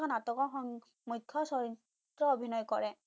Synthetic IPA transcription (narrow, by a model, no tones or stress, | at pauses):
ɔnatɔkɔxɔŋ | mukʰːɔsɔɹi | tɹɔobʱinɔjkɔɹɛ